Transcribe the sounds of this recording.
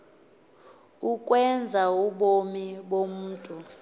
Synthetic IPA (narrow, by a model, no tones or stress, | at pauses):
ukʼwɛnd͡zʱauɓomiɓom̩ːtʼu